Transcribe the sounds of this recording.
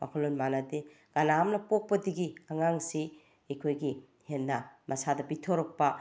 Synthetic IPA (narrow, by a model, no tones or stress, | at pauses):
ma̰kʰɔlonmanade | ɡ̥anaamlɐpok̚pɐdiɡiaŋaŋsi | ekʰojɡi | henːɐmɐsadɐbitʰoɾɔk̚pɐ